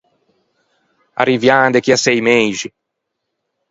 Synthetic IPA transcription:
a̰ɾivjand̪ekiasejmẽjʒi

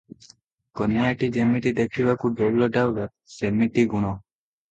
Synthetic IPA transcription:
kɔnːiaʈid͡ʒemiʈid̪ekʰiʋakuɖɔblɔʈawɡa | semiʈiɡuɽ̃ɔ

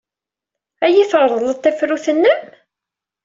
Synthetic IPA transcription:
æjiθəɾˤðˤələt̪ˤːæfɾuθənːəm

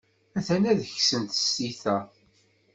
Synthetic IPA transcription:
æθænæðəçsənt̪ə̥siθæ

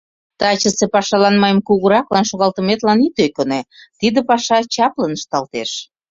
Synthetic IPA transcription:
t̪ɑt͡ɕə̆sepɑʃɑlɑnmɑjəmkuɣəɾɑklɑnʃoɣɑlt̪əmet̪lɑnit̪økonet̪id̪ĕpɑʃɑt͡ɕɑplənəʃt̪ɑlt̪eʃ

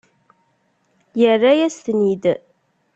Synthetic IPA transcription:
jərːajæst̪nid̪

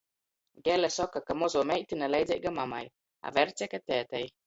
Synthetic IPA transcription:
ɡɛlɛsɔkːakamozomɛʔt̪inalajd͡ʒaʔɡamama̰j | a̰vɛɾt͡sɛkat̪ɛːt̪ɛj

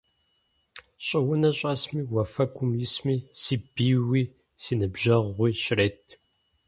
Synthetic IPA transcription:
ɕʼɪwʊnɐɕʼɐsmiːwɐfɐkʷʊmjismiːsiːb̥iːwiː | siːnɨbʒɐʁʷiːɕɪɾeːtʰ

